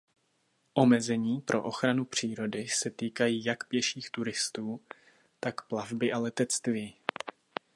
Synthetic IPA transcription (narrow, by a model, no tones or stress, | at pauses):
ʔo̞mɛzɛɲiːpɾʔo̞̰ʔo̞xɾanupr̝̥iːɾo̞dɪsɛt̪iːkajiːjakpjɛʃiːxt̪uɾɪst̪uː | t̪akplavbɪʔalɛt̪ɛt͡st̪viː